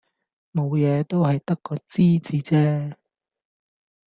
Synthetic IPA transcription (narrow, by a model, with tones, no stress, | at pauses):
mo˨˧wjɛː˨˧t̪o˥whɐ˨jt̪ɐ˥kːɔː˧t͡siː˥t͡siː˨˧t͡sɛː˥